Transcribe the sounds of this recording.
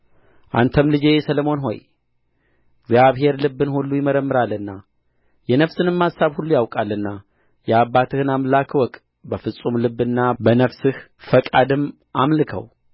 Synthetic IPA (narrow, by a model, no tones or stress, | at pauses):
ʔa̰nt̪ʰəmlɨd͡ʒejsələmo̞nɦo̞̰j | ɡzjaβɦe̞ɾlɨbːɨnhulːujɪməɾəmːɨɾalːɨnːa | jɛnəfsɨnɨmːasaβhulːujawkʼalːɨnːa | jɛabːat̪ʰɨhɨnamlakʰwɔkʼ | bəfɨsʼumlɨbːɨnːabənəfsɨhfəkʼad̪ɨm | ʔamlɨkʰə̰w